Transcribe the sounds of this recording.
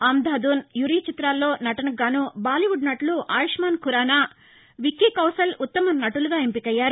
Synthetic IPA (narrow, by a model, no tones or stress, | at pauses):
aːmd̪aːd̪uːnjuɾiːt͡ʃit̪ɾaːlːo̞ːnɐʈɐnɐɡaːnubaːliʋuɖnɐʈluʔaːjiʂmaːnkuɾaːnaː | ʋikːikɐwsɐlut̪ːɐmɐnɐʈuluɡaːempikɐjːaːɾu